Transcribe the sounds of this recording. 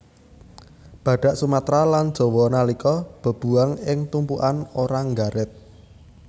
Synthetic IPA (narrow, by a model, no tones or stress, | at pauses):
b̥ä̤ɖ̥a̤ʔsumat̪ɾaland̥ʒ̥ɔ̤wɔnalikɔb̥ə̤b̥ṳaŋɪŋt̪umpuʔanoɾaŋɡaɾɪt̪̚